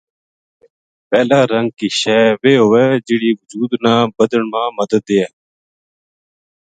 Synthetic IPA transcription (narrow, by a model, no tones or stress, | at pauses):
pɛːlaːɾəŋɡ̚kiːʃɛːʋeːɦoːeːd͡ʒɪɽiːʋʊd͡ʒuːd̪nãːbəd̪əɳmãːməd̪əd̪ːeːɛː